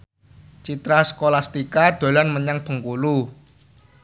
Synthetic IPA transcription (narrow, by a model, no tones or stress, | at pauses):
t͡ʃit̪ɾaskolast̪ikad̪̥o̤lanməɲaŋb̥ə̤ŋkulu